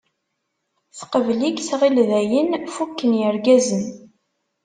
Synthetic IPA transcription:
θqəvlikθʁilðæjənfukːənjəɾɡæzən

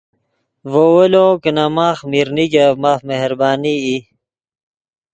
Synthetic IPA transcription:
vowelokənamaːxmiɾniɡemaːfmehɾbaːnii

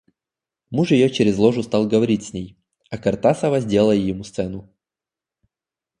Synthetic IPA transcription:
muʂjɪjot͡ɕɪɾʲɪzlˠoʐʊst̪ɑlˠɡəvɐɾʲitʲsʲnʲej | ɐkɐrt̪asəvɐzʲdʲe̞lˠəjjɪmust̪sɛnʊ

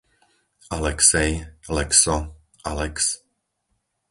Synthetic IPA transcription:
ʔalɛksɛjlɛksɔ | ʔalɛks

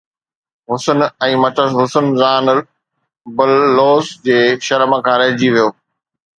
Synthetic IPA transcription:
ɦʊsənɛ̃ːmɐtʰəsɦʊsənzaːn | bɐlːoːsd͡ʑeːʃɐɾməkʰãːɾɐɦd͡ʑiʋijoː

